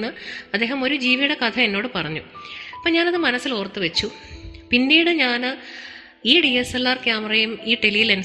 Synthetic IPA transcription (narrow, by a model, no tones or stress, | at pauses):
ɨɐd̪ːeːɦɐmo̞ɾud͡ʑiːʋiɽɐkɐt̪ʰɐe̞nːo̞ːɽɨpɐrɐɲːuɐpːɐɲaːnɐðɨmɐnɐsiloːrt̪ːɨʋet͡ɕːu | pinːiːɽɨɲaːnɨ | iːɖijeselːaːrkjaːmɐrejumiːʈelijilɐnu